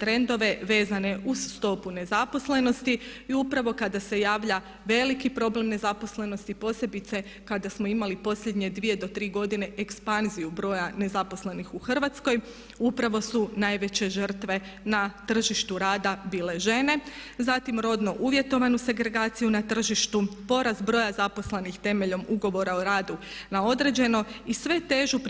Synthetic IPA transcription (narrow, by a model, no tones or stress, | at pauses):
t̪ɾe̞nd̪o̞ʋe̞ʋe̞ːzane̞ʔuz̥ːt̪o̞pune̞zapo̞sle̞no̞st̪iiupɾaʋo̞kad̪ase̞jaːʋʎa | ʋe̞likipɾo̞ble̞mne̞zapo̞sle̞no̞st̪ipo̞ːsje̞bit̪se̞ | kad̪asmo̞imalipo̞sʎe̞d̪ɲe̞d̪ʋije̞d̪o̞t̪ɾiːɡo̞d̪ine̞ʔekspanzijubɾo̞ːjane̞zapo̞sle̞nixuxr̩ʋat̪sko̞j | upɾaʋo̞sunajʋe̞t͡ɕe̞ʒər̩t̪ʋe̞ | nat̪r̩ʒiʃt̪uɾaːd̪abiːle̞ʒe̞ne̞ | zat̪imɾo̞d̪no̞ʔuʋje̞t̪o̞ʋanuse̞ɡɾe̞ɡaːt̪sijunat̪r̩ʒiʃt̪upo̞ɾazbɾo̞ːjazapo̞sle̞nixt̪e̞me̞ʎo̞muɡo̞ʋo̞ɾaoɾaːd̪unao̞d̪ɾe̞d͡ʑe̞no̞isʋe̞t̪e̞ʒup